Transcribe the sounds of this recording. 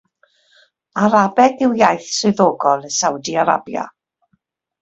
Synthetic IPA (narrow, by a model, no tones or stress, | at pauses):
aɾabɛɡɪwjajθsʊɨðɔɡɔlˠəsawdiaɾa̰bja̰